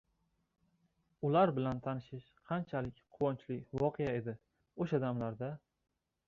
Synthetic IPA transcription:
ʊlaɾbɪlant̪ʰanɪʃɪʃqʰɑnt͡ʃʰalɪkʲqʰʊwɒnt͡ʃlɪvɒqʰejae̞d̪ɪ | oʃad̪amlaɾd̪a

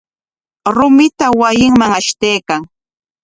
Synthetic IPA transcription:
ɾʊmɪt̪awajɪŋmaŋaʃt̪ejkaŋ

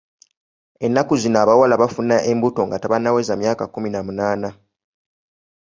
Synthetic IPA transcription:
e̞nːakuzinoaβawalaβafunːaʔembuto̞ŋɡataβanːawe̞zamjaːkakuminamunaːna

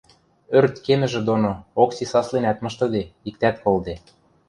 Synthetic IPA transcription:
ørt̪kemɘ̆ʒĕd̪onooksisɑslenæt̪mɤ̆ʃt̪ɤ̆d̪eik̚t̪æt̪kold̪e

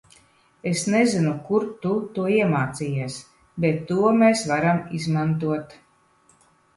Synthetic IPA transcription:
esnezinukuɾt̪ut̪uɔiɛmaːt̪siːjɛɛs | bet̪ːuɔmeːsvaɾamizmant̪uɔt̪

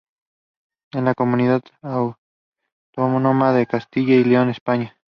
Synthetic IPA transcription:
enlakomuniðaðaw | t̪oamonomaðekast̪iʝaileonespaɲa

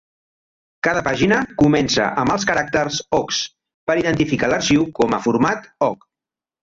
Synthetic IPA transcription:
kaðəpaʒinəkumɛnsə̰ʔəmbəlˠskəɾak̚t̪əɾsɔks | pəɾiðənt̪ifikaləɾʃiwkɔməfuɾmat̪ɔk

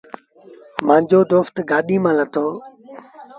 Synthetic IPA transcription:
mãːɲd͡ʑoːd̪oːft̪ɡaːɗiːmãːlət̪ʰoː

